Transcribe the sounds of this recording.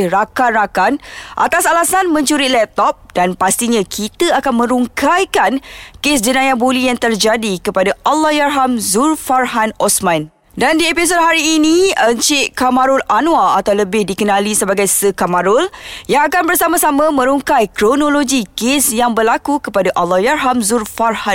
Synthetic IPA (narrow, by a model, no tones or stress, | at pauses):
rakanrakanʔa̰t̪asalasanmə̃ɲt͡ʃuɾitlɛp̚t̪ɔp̚danpast̪iɲãkʰit̪əakanmə̃ɾuŋkajkankes̬d͡ʒənãjabolijaŋt̪ərd͡ʒadikəpadaʔalːahjaɦamzurfarɦanɔsmãn | dandiepis̬ot̚ɦaɾiːnĩəɲt͡ʃɪʔkamãɾʊlanwaat̪awləbɪhdikənãlisəbaɡajsəkamaɾʊljaŋakanbərsamarsamãmə̃ɾuŋkajkɾonoloɡikesjaŋbərlakukəpadaʔalːɔhjarɦamzurfarha